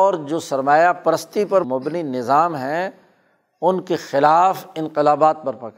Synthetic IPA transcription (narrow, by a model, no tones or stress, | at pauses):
ɔːɾd͡ʒoːsɐɾmaːjapɐɾəst̪ipɐɾmʊbninɪzaːmɦɛ̃ | ʊnkexɪlaːfɪ̃nqɪlaːbaːt̪̚pɐɾpɐkɾ